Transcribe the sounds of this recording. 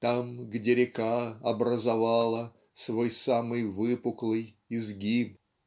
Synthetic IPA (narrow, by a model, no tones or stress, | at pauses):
t̪amɡdʲeɾʲɪkaɐbɾəzavalˠə | svojsamɨjvɨpʊklˠɨj | ɪzɡʲib